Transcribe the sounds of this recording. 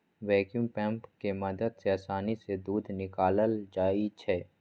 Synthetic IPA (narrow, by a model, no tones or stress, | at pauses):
ʋɛːkjuːmpɛ̃ːmpkemɐd̪əd̪seɐːsaːnised̪uːd̪ʱnɪkaːləld͡ʒaːit͡ʃʰɛː